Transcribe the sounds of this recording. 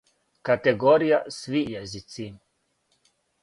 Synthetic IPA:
kat̪ɛɡoːɾijasʋijɛzit̪sim

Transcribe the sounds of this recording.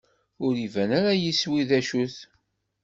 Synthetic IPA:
ʊɾivænaɾajiswiðæʃuθ

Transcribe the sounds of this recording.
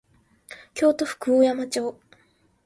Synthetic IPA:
kʲo̞ːt̪o̞ɸɯ̥kɯ̟ojamat͡ɕo̞ː

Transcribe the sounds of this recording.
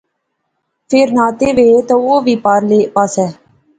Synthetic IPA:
pʰeɾnaːt̪eːʋeːt̪ãoːʋiːpaːɾleːpaːsɛː

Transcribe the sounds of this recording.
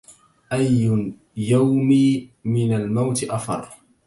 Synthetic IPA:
ʔajːʊ | jawmimɪnalmawt̪ɪʔafɑ̰ɾˤ

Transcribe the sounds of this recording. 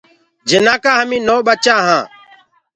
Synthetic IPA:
d͡ʒɪnãːkaːɦəmĩːnoːɓət͡ʃãːɦãː

